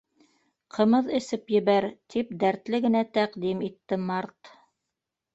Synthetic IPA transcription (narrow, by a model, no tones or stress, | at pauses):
qʰɤ̆mɤðɘ̆sɘpjɘ̆βæɾt̪ip̚d̪æɾt̪lɘɡɘ̆næt̪æqd̪imit̪ːɘmɑɾt̪